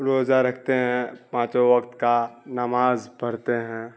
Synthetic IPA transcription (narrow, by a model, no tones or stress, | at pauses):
ɾoːzaɾɐk̚ʰt̪eɦɛ̃pãːt͡ʃoʋɐkt̪kanɐmaːzbʱɐɾt̪eɦɛ̃ː